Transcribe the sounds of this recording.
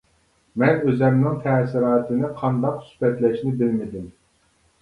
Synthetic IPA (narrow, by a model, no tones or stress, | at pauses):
mɛnøzɛmnɪŋt̪ʰɛsɪɾɑːt̪ʰɪnɪqʰɑnd̪ɑqsy̥spɛt̪lɛʃnɪbɪlmɪd̪ɪm